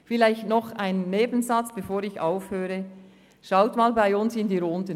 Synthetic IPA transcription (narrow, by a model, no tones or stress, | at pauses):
fɪlaɪçtnɔχaɪnːeːbn̩zɑt͡sb̥efoːɾɪça̰ʊfhøːɾə | ʃaʊtmaːlbaɪʊnsɪndiːɾondə